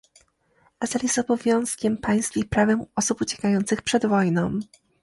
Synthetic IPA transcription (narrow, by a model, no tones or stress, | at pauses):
ʔazaljɛst̪ɔbɔvʲjɔ̃w̃skʲɛmpaj̃skʲixpɾavɛmɔsuput͡ɕɛ̥kajɔnt̪sɘxpʂɛd̪vɔjnɔ̃w̃